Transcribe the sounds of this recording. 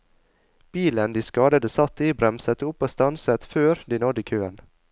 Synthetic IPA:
b̥iːlənd̪iːskɑːd̪əd̪əsɑt̪ːiːbɾɛmsət̪ʊpːoːst̪ɑnsət̪føːɾd̪iːnɔd̪iːkʰøːən

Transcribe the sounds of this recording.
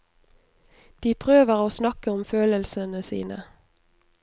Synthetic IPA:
d̪̥iːpʰʁøːʋəʁoːsnɑkəʊmføːləlsənəsḭːnə̰

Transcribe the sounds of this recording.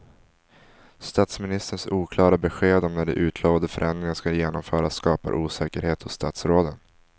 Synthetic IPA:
st̪aːt̪smɪnɪst̪əɳsuːkʰlɑːɾabɛɧeːd̪ɔmnæɖɛ̰ʔʉ̟ːt̪ʰloːvand̪əfœɾʔɛnd̪ɾɪŋanskajeːnɔmfœːɾassːkɑːpa̰ɾʔuːsɛːkəɾheːt̪hʊsst̪aːt̪sɾoːd̪ən

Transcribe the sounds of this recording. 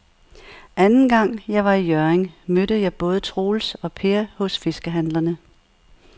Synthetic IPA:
ʔænn̩ɡ̥ɑ̈ŋ̰jɑ̈ɪʋɑ̈ijœɐeŋmød̥əðjɑ̈ɪb̥ɔ̽ːð̞ˠət͡sʰʁo̝ːlsɒ̽pʰe̝ɐhɔ̽sfe̝sɡ̥əɦænlɐnə

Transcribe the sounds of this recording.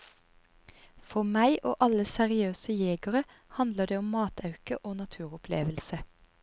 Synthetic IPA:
fɔʁmæɪʔo̰ːʔɑləsɛʁɪøːsəjeːɡəʁə | hɑnd̪ləd̪eːʊmmɑːt̪ʰɑʉkəʔoːnɑt̪ʰʉːʁʊpʰlḛːʋəlsə

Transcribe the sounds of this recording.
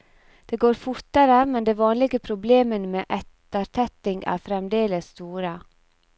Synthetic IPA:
d̪̥eːɡoːɾfʊɾʈ̪əɾəmɛnd̪eːʋɑːnlɪɡəpʰɾʊbleːmənəmeːʔɛt̪əɾt̪ʰɛt̪ɪŋæ̰ːɾfɾɛmd̪eːləsːt̪uːɾə

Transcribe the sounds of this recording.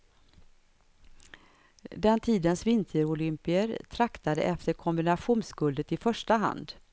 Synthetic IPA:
d̪ɛnt̪ʰiːd̪ənsvɪnt̪ʰəɾʊlʏmpɪəɾt̪ʰɾakt̪ad̪ə̰ʔɛft̪əɾkʰɔmbɪnaɧuːnsɡɵld̪ət̪ɪfœʂʈaɦa̰nd̪

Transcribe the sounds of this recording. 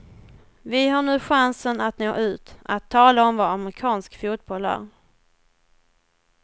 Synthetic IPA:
vɪɦaɳʉ̟ːɧansənat̪noːʔʉ̟ːt̪ʔat̪ʰːɑːlaɔmvaamɾɪkʰɑːnskfuːt̪̚bɔlæ̰ːɾ

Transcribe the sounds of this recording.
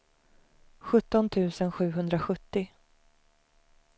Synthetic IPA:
ɧɵt̪ːɔnt̪ʰʉ̟ːsənɧʉ̟ːɦɵnd̪ɾaɧɵt̪ːɪ

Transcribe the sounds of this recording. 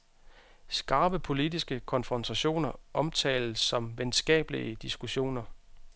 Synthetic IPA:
sɡ̥ɑ̈ːb̥əpʰo̝lidisɡ̥əkʰɒ̽nfʁɒ̽nt͡sʰæɕo̝̰ːnɐʔɒ̽mt͡sʰɛ̰ːɪlsːɒ̽mʋensɡ̥ɛ̰ːb̥əliəd̥isɡ̥uɕo̝̰ːnɐ

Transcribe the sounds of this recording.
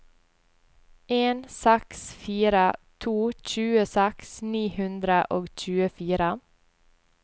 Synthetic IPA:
ʔeːnsɛksfiːɾət̪ʰuːc͡çʉːəsɛksniːhʉnd̪ɾəʔoːɡc͡çʉːəfiːɾə

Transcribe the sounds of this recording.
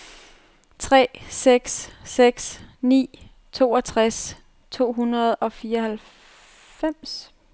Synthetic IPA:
t͡sʰʁɛ̰ːseɡ̥sːeɡ̥snḭː | t͡sʰo̝ːɒt͡sʰʁas | t͡sʰo̝̰ːɦunɐð̞ˠɒ̽fiːɐhæl | fem̰s

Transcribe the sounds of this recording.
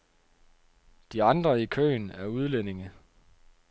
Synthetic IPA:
d̥iɑ̈nd̥ʁɐikʰø̰ːnæɐuð̞ˠlene̝ŋə

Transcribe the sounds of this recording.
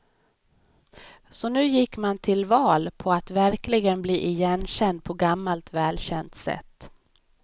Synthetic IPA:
sɔnʉ̟ːjɪkːmant̪ʰɪlvɑːlpʰɔat̪væɾklɪɡənbliːʔɪjɛnɕɛnd̪̚pʰɔɡamːalt̪vɛːlɕɛnt̪sɛ̰t̪ː

